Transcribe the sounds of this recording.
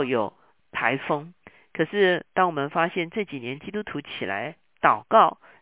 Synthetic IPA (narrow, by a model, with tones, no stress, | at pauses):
jo˨˩ʊ | pʰa˧˥ɪfɤ˥ŋ | kʰɤ˨˩ʂɻ̩˥˩t̪ɑ˥ŋwɔ˨˩mə˧˦nfa˥ɕjɛ˥˧nʈ͡ʂɤ˥˩t͡ɕi˨˩njɛ˧˦nt͡ɕi˥t̪u˥t̪ʰu˧˥t͡ɕʰi˨˩la̰˧˥ɪ | t̪ɑ˨˩ʊkɑ˥˩ʊ